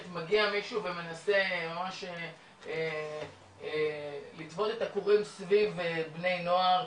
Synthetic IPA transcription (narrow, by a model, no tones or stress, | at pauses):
t̪maɡiamiʃuuveme̞nase̞mamaʃe | e | elitvo̞t̪e̞t̪akuʁimsvivebne̞jno̞aʁ